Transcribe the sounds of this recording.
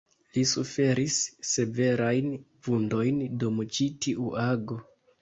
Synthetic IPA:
lisufe̞ɾisːe̞ve̞ɾajn | vundo̞jndumt͡ʃitiʔuʔaɡo̞

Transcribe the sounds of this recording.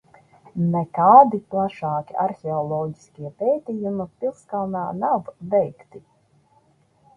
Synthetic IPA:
nɛkaːd̪iplˠaʃɑːkʲiʔaɾxʲɛɔlˠɔːɟiskʲiɛpʲɛːt̪ʲijumipʲilˠskalˠnaːnavvɛjkt̪i

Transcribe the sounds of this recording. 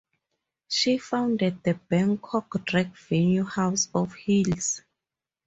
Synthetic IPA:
ʃifãwndɛd̚ðəbɛ̃ŋkʰɔkdɹɛkvɛnjuhawsɔfhils

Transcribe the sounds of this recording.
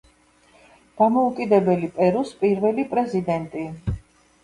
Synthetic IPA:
d̪̥amɔukʼid̪ɛbɛlipʼɛɾuspʼiɾvɛlipʼɾɛzid̪ɛnt̪ʼi

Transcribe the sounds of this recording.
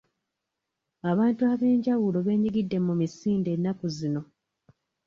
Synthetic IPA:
aβaːntuaβe̞ːɲɟawulo̞βe̞ːɲiɡidːe̞mːumisiːnde̞nːakuzino̞

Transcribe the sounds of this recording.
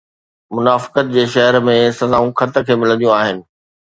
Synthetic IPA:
mʊnaːfɪ̥kət̪̚d͡ʑeːʃɐɦəɾmẽsɐzaːũkʰɐt̪əkʰeːmɪlə̃nd̪ijũaːɦɪnɪ̆

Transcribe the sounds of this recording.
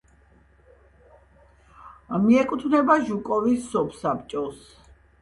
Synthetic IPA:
miɛkʼut̪ʰvnɛbaʒukʼɔvisːɔpʰsapt͡ʃʼɔs

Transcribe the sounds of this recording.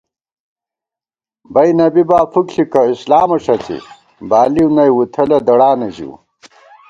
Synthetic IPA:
bɐjnɐbibaːfukɬikɐislaːmɐʂɐt͡sḭ | baːliwnɐjwut̪ʰɐlɐd̪ɐɽaːnɐʑḭw̰

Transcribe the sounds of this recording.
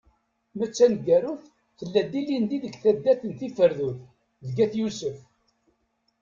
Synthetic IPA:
mæt͡sːænɡæɾʊθ | θəlːæd̪ːilind̪iðəɡθæd̪ːæθənθifəɾðuθ | ðəɡæθjusəf

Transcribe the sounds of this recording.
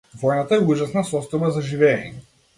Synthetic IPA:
vɔjnat̪aɛuʒasnasɔst̪ɔjbazaʒivɛːɲɛ

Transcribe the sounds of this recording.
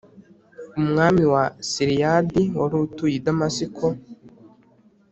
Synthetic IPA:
umŋaːmiwasiɾijadiwaɾutujidamasikʰo

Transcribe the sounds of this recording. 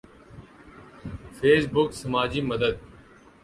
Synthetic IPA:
fʰeːsbʊksəmaːd͡ʒiːməd̪əd̪̚

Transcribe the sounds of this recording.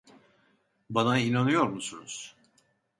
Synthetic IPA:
banainanɯjo̞ɾmusunuz̥

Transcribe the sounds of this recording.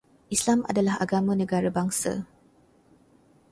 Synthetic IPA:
ʔislama̰dalaɦa̰ɡamãnə̃ɡaɾabaŋsa̰

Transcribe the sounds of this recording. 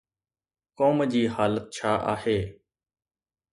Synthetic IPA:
koːmd͡ʑiːhaːlət̪̚t͡ɕʰaːʔa̰ːheː

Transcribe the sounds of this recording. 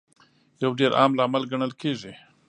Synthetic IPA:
jawɖeɾɑ̰mlaːmalɡaɳəlkʰeʐi

